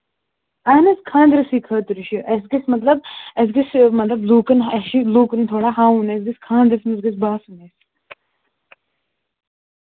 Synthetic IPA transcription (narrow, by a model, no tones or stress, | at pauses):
aːnɐskʰãːnd̪ɾɐsiːkʰəːt̪uɾiʃiʔɐsɡismɐt̪lɐb̚ɐs̬ɡismɐt̪lɐbluːkɐnɐʃiluːkənt̪ʰoːɽaːɦãːũnesɡiskʰãːnd̪ɾɐsmɐs̬ɡisbaːsuneːs